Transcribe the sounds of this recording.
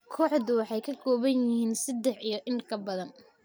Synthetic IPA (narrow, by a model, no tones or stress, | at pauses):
kʰɔːħðʊwɑħɑjkʰɐɡʰɔːβɐnjɪhiːnsɐd̪ɛħijɞʔɪŋkʰɐbɐðɐn